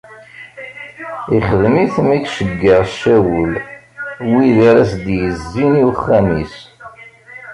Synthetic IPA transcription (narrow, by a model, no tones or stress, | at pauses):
iχəðmiθmækʃəɡːəʁʃːæwəl | wiðaɾæsd̪jəzːiniwχːæmis